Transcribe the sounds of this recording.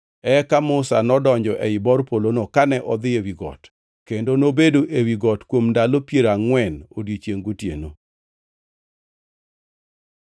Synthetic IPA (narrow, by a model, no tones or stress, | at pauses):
ɛkamʊsa̰nɔdɔɲd͡ʒɔʔɛɪbɔrpolonokanɛʔɔd̪ɪewiɡɔ̰t | kendonobedoʔewiɡɔtkwomndalopjeɾaŋwɛno̰djet͡ʃjeŋɡotjḛno